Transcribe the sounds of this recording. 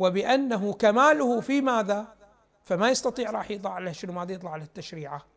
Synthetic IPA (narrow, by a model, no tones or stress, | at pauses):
wɪbɪʔanːaɦʊkamaːlʊhʊfimaːða | famajɑst̪ɑt̪ˤiːʕɾˤɑːħjɨt̪ˤlɑʕalhʃɪnmaːd̪ajɨt̪ˤlɑʕalhat̪ːaʃɾiːʕa